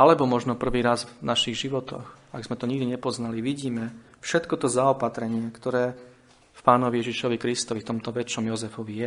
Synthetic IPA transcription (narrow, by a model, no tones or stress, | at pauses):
ʔalɛbɔmɔʒnɔpr̩ʋiːɾazvnaʃiɣʒiʋɔt̪ɔ̰xaɡzmɛt̪ɔɲiɡd̪iɲɛpɔznaliʋiɟiːmɛ | fʃɛt̪kɔt̪ɔzaɔpat̪ɾɛɲɪɛkt̪ɔɾɛː | fpaːnɔʋijɛʒiʃɔʋikɾist̪ɔʋift̪ɔmt̪ɔʋɛt͡ʃɔmjɔzɛfɔʋijɛ